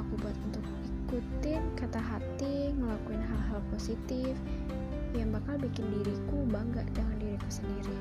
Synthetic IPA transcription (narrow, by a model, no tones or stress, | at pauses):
akubuat̪unt̪ʊk̚ikut̪ɪnkat̪aɦat̪iŋəlakuɪnɦalɦalposit̪ɪf | jaŋbakalbikɪndiɾikubaŋɡaʔdəŋandiɾikusəndiɾi